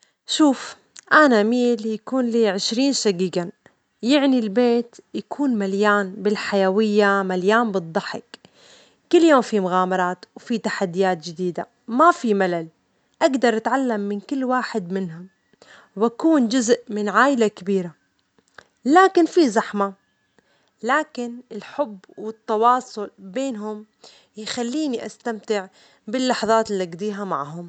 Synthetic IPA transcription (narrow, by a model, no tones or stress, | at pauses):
ʃuːf | ʔanamiːljakuːnliːʕɪʃɾiːnʃaɡiːɡa | jɪʕnilbeːt̪jakʰuːnmaljaːnbɪlħajawɪjːamaljaːnbɨd̪ˤːɑħɪkː | ʊlːjoːmfimʊɣaːmɑɾˤɑːt̪wfit̪aħad̪ːɪjaːt̪̚d͡ʒɪd̪iːd̪a | mafimalal | ʔaɡd̪ɑɾˤʔat̪ʕalːamːɪnkɪlːwaːħɪd̪mɪnɦʊm | wʔakuːnd͡ʒʊzʔmɪnʕaːʔɪlakɪbiːɾa | laːkɪnfizaħma | laːkɪnɪlħʊbːwɪt̪ːɑwɑːsˤʊlbeːnɦʊm | jxalːiːniʔast̪amt̪ɪʕ | bɪlːɑħɑðˤɑːt̪ɪlːiʔaɡd̪iːɦama̰ʕɦʊm